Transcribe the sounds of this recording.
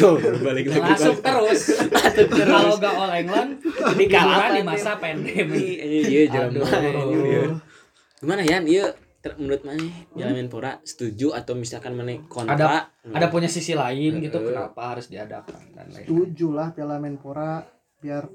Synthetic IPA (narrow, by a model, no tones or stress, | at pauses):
t̪oɾbalɪk̚lalaɡibaʊŋt̪əɾʊsasʊt̪əɾaloɡaolɛŋlaniaɾadimasapɛndɛmiəd͡ʒəmaɾjə | ɡimanajanijə | t̪əmənuɾɪt̪̚manɛpialamɛnpoɾasə̥t̪ud͡ʒuat̪awmisalkanmanajkonadaaʔadapuɲasisilaɪnɡit̪ukəna̰paɦaɾʊsdiada̰ka̰na̰na̰t̪ud͡ʒulahpialamɛnpoɾa | biar